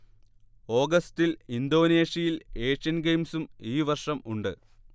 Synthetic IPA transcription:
o̞ːɡɐst̪ilind̪o̞ːne̞ːʂjɐjileːʂɐnɡejmsumiːʋɐrʂɐmuɳɖɨ̰

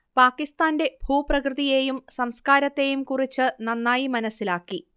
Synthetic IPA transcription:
paːkːist̪aːnde̞bʱuːprɐkrɨðije̞jumsɐmskaːɾɐt̪ːe̞ːjumkurit͡ɕːɨnɐnːaːjimɐnɐsilaːkːi

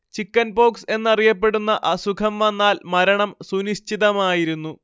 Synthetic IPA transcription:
t͡ɕikːɐnbo̞ːkse̞nːɐrijɐpːe̞ɽunːɐʔɐsukʰɐmʋɐnːaːlmɐɾɐɳɐmsuniɕt͡ɕiðɐmaːjiɾunːu

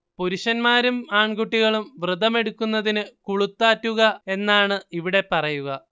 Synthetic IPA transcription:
puɾuɕɐnmaːɾumaːɳɡuʈːiɣɐɭumʋrɨd̪ɐme̞ɽukːunːɐðinɨkuɭut̪ːaːtːuɣɐe̞nːaːɳɨiʋiɽe̞pɐrɐjuɣɐ

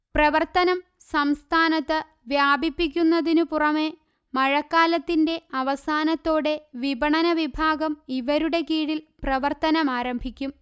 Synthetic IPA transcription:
prɐʋɐrt̪ɐnɐm | sɐmst̪ʰaːnɐt̪ːɨ | ʋjaːbʱipːik̬ʲːunːɐðinupurɐme̞ | mɐɻɐkːaːlɐt̪ːinde̞ɐʋɐsaːnɐt̪ːo̞ːɽe̞ʋibʱɐɳɐnɐʋibʱaːɡɐmiʋɐɾuɽe̞kiːɻilprɐʋɐrt̪ɐnɐmaːɾɐmbʱikʲːum

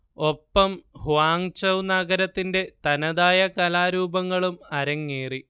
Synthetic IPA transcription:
o̞pːɐmhʋaːŋt͡ɕɐwnɐɡɐɾɐt̪ːinde̞t̪ɐnɐðaːjɐkɐlaːɾuːbɐŋːɐɭumɐɾɐŋːeːri

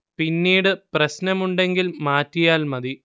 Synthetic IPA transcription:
pinːiːɽɨprɐɕnɐmuɳɖe̞ŋɡilmaːtːijaːlmɐði

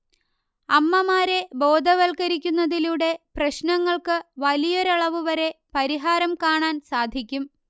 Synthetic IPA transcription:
ɐmːɐmaːɾe̞bo̞ːd̪ʱɐʋɐlkɐɾikʲːunːɐðiluɽe̞prɐɕnɐŋːɐɭkɨʋɐlijoɾɐɭɐʋuʋɐɾe̞pɐɾiɦaːɾɐmkaːɳaːnsaːd̪ʱikʲːum

